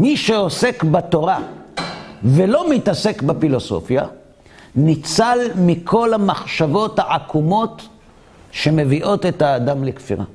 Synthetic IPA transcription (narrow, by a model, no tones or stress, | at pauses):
miʃeose̞kbat̪o̞ʁa | velo̞mitase̞kbefilo̞so̞̰fja | nit͡salmikʰo̞lamaχʃavo̞thaʕakʰumo̞t | ʃe̞me̞viʔo̞t̪etaːdamlekfḭʁa̰